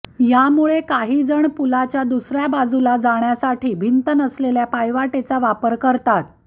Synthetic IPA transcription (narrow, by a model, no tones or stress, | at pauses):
jamuɭekaɦiːd͡zəɳpulat͡ɕjad̪usɾjabad͡zulad͡zaɳjasaʈʰiːbʱint̪ənəsleljapajʋaʈet͡saʋapəɾkəɾt̪at̪̚